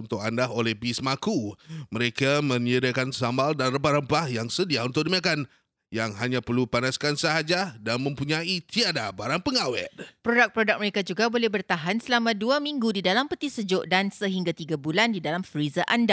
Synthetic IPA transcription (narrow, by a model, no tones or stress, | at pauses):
unt̪ʊk̚andaɦolɛhbismakuməɾekamə̃niədakansamaldanrəbaɾampahjaŋsədiaunt̪ʊk̚dimakan | jaŋɦaɲãpərlupanaskansəɦad͡ʒadanmə̃mpuɲait̪iadabaɾaŋpəŋawɛ̰t̪̚pɾodak̚pɾodak̚məɾekad͡ʒuɡabolɛhbərt̪aɦansəlamãduamiŋɡudidalampət̪isəd͡ʒoʔdansəɦiŋɡat̪iɡabulandidalamfɾizaʔanda